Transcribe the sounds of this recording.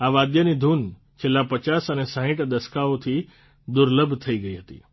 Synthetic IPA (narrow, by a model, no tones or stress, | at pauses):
aʋad̪jənid̪ʱuːn | t͡ʃʰelːãpət͡ʃasənesãɦɪ̃ʈd̪əskaot̪ʰi | d̪ʊɾləbʱt̪ʰəiɡəiɦət̪ḭ